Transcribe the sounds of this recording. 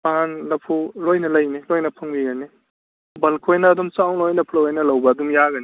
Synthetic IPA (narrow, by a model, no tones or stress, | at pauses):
maɦanlɐpʰulojnɐlɐjnilojnɐpʰɐŋbiɡɐni | bɐlkʰojnaːdɔmsawlojnɐpʰlɐwajnɐlɐwbɐdumjaɡɐni